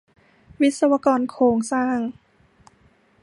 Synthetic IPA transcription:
wi˦˥t̪̚sa˧wa˧kɔː˧nkʰoː˧ŋsaː˥˩ŋ

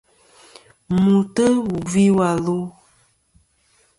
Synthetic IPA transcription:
mu˨tə˦wu˨vi˦wa˨lu˦

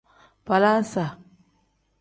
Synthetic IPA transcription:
pa˨la˦n˦sa˨

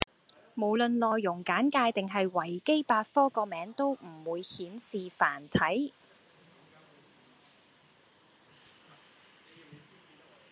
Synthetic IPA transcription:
mo˨˩wlɵ˨˧nlɔː˨jːʊ˨˩ŋkaː˨˥nkaː˧jt̪ɪ˨ŋɦɐ˨jwɐ˨˩jke˥jpaː˧t̚fɔː˥kɔː˧mɛː˨˥ŋt̪o˥wm̩˨˩wuː˨˧jhiː˨˥nsiː˨faː˨˩nt̪ʰɐ˨˥j

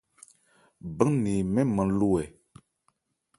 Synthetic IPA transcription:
bə˦niː˨mɛ˦mə̃˨˦n˦lu˦wɛ˨

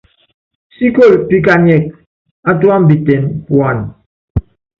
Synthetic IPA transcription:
si˦ko˦˨lpi˦k̬a˨ɲɛ˨k̚ | a˦twa˦m˦bi˨tɛ˨npwa˨n

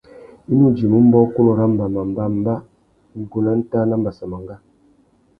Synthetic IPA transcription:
i˦nu˦˨d͡ʒi˨mu˦m˦bɔ˦ku˦nɔ˨ɾa˦m˨ba˨ma˨m˨ba˦m˦ba˦˨˦ | ɡo˨na˦n̩˦ta˦na˦m̩˦ba˨sa˨ma˨ŋɡa˦

